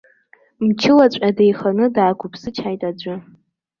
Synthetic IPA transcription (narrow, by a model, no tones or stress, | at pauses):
mt͡ʃʰɪlat͡ɕʷʼadejχanɨdaːɡʷʊpʰsɨt͡ʃʰajtʼad͡ʒʷʊ